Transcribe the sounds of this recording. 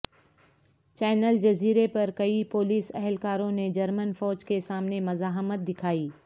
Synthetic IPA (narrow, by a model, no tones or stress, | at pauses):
t͡ʃɛːnəld͡ʒɐziːɾepɐɾkɐipoːliːsɛɦlkaːɾõned͡ʒɐɾmənfɔːd͡ʒkesaːmnemɐzaːɦmət̪̚d̪ɪkʰaːiː